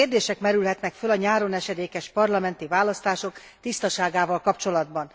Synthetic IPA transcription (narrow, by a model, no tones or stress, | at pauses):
eːrd̪eːʃɛkmɛɾylɦɛt̪nɛkfølɒɲaːɾo̞nɛʃɛd̪eːkɛʃpɒrlɒmɛnt̪ivaːlɒst̪aːʃo̞k | t̪ist̪ɒʃaːɡaːvɒlkɒpt͡ʃo̞lɒd̪bɒn